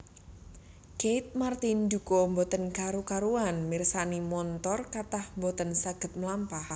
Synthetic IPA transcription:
ket̪̚mart̪ind̪ukombɔt̪ənkaɾukaɾuanmirsanimɔnt̪ɔrkat̪ahmbɔt̪ənsaɡ̥ə̤t̪̚mlampah

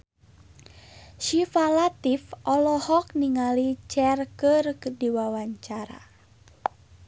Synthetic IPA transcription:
ʃifalat̪ifʔɔlɔhɔk̚niŋalit͡ʃɛrkɨrdiwawaɲt͡ʃaɾa̰

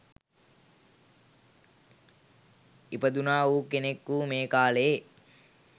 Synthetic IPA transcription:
ipəd̪unaːuːkenekːuːmeːkaːle

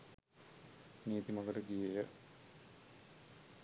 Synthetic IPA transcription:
niːt̪imɐɡələɡijejə

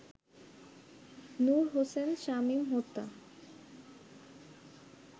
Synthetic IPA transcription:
nuɾɦosenʃamimɦot̪ːa

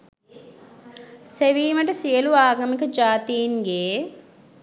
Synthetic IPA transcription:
seʋiːməʈ̬əsijəluaːɡɐmikəd͡ʒaːt̪ijiŋɡeː

